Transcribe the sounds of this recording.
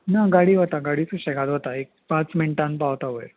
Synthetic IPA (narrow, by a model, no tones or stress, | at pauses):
naɡaɽiːɦot̪aɡaɽiːt͡sə̃ɕɛɡat̪ɦot̪aekpãt͡smiɳʈãnpawt̪aʋəj